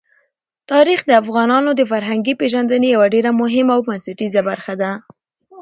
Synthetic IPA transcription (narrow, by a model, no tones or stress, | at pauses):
t̪ɑɾixd̪əafɣɑnɑnod̪əfaɾɦaŋɡipeʒand̪ənejawaɖeɾamʊɦɪmaawbansaʈizabaɾxad̪a